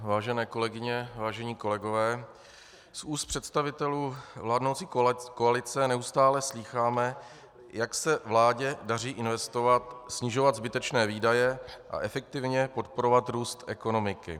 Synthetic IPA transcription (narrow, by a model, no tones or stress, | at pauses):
vaːʒɛnɛːko̞lɛɡɪɲɛvaːʒɛɲiːko̞lɛɡo̞vɛː | sʔuːst̪pr̝̥ɛt̪st̪avɪt̪ɛluːvlaːdnowt͡siːkoalɪt͡sɛnɛust̪aːlɛsliːxaːmɛ | jaksɛvlaːɟɛdariːʔɪnvɛst̪o̞vat̪sɲɪʒo̞vad̪zbɪt̪ɛt͡ʃnɛːviːdajɛʔa̰ʔɛfɛk̚t̪ɪvɲɛpo̞t̪̚po̞ɾo̞vat̪ɾuːst̪ʔɛko̞no̞mɪkɪ̰